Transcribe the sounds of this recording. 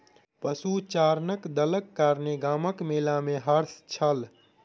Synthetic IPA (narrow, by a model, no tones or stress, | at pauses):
pəsut͡ʃaɾnəkd̪ələkːaːɾneɡaːməkmelameɦəɾst͡ʃʰəl